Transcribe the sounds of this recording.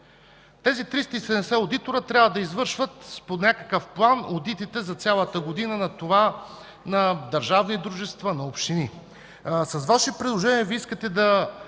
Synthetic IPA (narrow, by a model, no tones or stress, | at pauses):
t̪ɛzit̪ɾist̪əisɛd̪ɛmsɛod̪it̪oɾət̪ɾʲjabvəd̪ɐizvɤɾʃvət̪ponʲakəkəfplˠanod̪it̪it̪ɛzɐt̪sʲalˠət̪əɡod̪inənɐt̪ova | nɐd̪ɐɾʒavnid̪ɾuʒɛst̪vənɐopʃt̪ini | sɐsvaʃipɾid̪lˠoʒɛniəviiskət̪ɛd̪ɐ